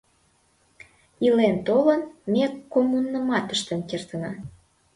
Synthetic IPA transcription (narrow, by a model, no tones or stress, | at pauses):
ilent̪olənmekːomunːəmɑt̪əʃt̪ə̆nkert̪ənɑ